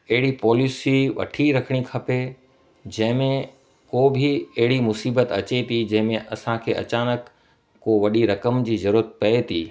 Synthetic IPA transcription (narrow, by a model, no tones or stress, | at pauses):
ɐɦɪɽipɔːlɪsiʋɐ̰ʈʰiɾɐkʰəɽ̃ikʰɐpe | d͡ʑɐ̃ɦɪ̃mẽ | koːbʱɪɐɦɪɽimʊsiːbət̪ɐt͡ɕet̪ʰid͡ʑɐ̃ɦɪ̃mẽʔɐsãkʰeːʔɐ̰t͡ɕaːnəkː | oʋɐɗiɾɐkəmd͡ʑiːzɐɾuːɾət̪̚pɐet̪ʰiː